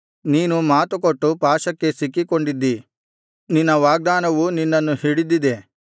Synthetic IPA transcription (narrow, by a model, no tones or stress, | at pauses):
niːnumaːt̪ukoʈːupaːʃɐkːe̞sikːikoɳɖid̪ːi | ninːɐʋaːɡ̚d̪aːnɐʋuninːɐnːuhiɽid̪id̪e̞